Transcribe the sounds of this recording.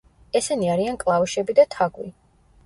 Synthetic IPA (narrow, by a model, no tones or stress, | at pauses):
ɛsɛniaɾiankʼlˠauʃɛbid̪at̪ʰaɡwḭ